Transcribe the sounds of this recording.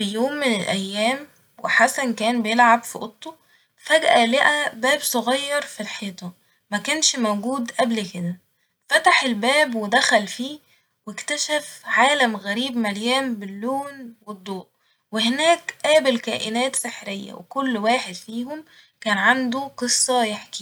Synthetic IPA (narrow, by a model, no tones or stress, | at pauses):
fijoːmːɪnelʔæjːæːm | wḛħasænkæːnbejelʕabfiʔot̪ˤːo | fæɡʔæleʔæbæːbsˤoɣɑjːɑɾˤfilħeːt̪ˤɑ | mækæːnʃmowɡuːd̪ʔæblked̪æ | fæt̪aħelbæːbwed̪æxælfiː | wekt̪æʃæfʕaːlæmɣæɾiːbmæljæːmbelːuːnwed̪ˤːoːʔ | wehenæːkʔæːbelkæːʔenæːt̪seħɾejːæ̰wḛkolːwæːħed̪fiːhom | kæːnʕand̪oqɨsˤːɑjeħki̥